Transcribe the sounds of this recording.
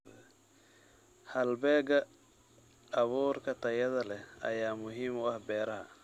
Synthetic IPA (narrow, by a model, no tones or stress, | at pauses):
hɐlbɛːɡɐ | βuːrkʰɐt̪ʰɐjɐðɐlɛhɐ̰jaːmʊɦiːmʊɐhbɛːɾɐɦɐ̰